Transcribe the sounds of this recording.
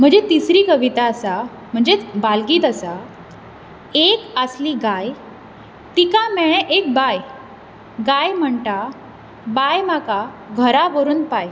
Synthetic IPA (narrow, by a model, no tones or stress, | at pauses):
m̤əɳd͡zet̪isɾiːkəʋit̪asa | m̤əɳd͡zebalɡiːt̪əsa | ekəsliɡaj | t̪ikãmɛɭ̃ẽʔek̚baj | ɡajm̤əɳʈa | bajmaka | ɡʱəɾaʋəɾuːnpaj